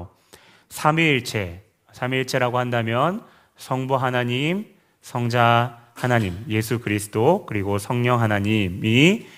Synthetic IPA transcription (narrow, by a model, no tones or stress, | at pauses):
sʰamiɭt͡ɕ͈ʰe̞ | sʰamiɭt͡ɕ͈ʰe̞ɾaɡohandamjʌn | sʰʌŋbuɦanaɲim | sʰʌŋd͡ʑahanaɲimje̞sʰukɯɾisʰɯ̥dokɯɾiɡosʰʌŋɲʌŋɦanaɲimi